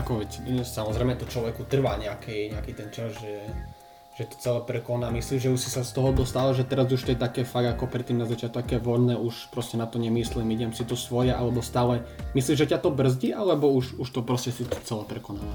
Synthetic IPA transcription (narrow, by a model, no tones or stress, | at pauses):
akɔʋɛt͡ssamɔzɾɛɪmɛt̪ɔt͡ʃlɔʋɛkut̪r̩ʋaːɲɛakʰɛɲɛakit̪ɛnt͡ʃazʒɛ | ʒ̥ɛt̪ɔ̥t͡sɛlɛpɾɛkɔnaːmisliːʒʒɛuʃsisast̪ɔɦɔd̪ɔst̪aːlɛʒɛt̪ɛɾazuʃt̪ɔjɛt̪akɛːfaɡakɔpɾɛt̪ːimnazat͡ʃjat̪ɔkɛːʋɔdnɛːʔuʃpɾɔscɛnat̪ɔɲɛmislimiɟɛmsit̪ɔsʋɔjɛʔalɛbɔst̪aːlɛmisliːʒɛcat̪ɔbr̩zɟiʔalɛbɔuʃuʃt̪ɔpɾɔscɛsit͡sɛlɛpɾɛkɔnaːʋa